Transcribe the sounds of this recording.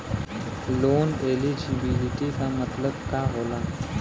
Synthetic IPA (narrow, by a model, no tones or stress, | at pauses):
lonelid͡ʑibiliʈikamət̪ləbkaɦola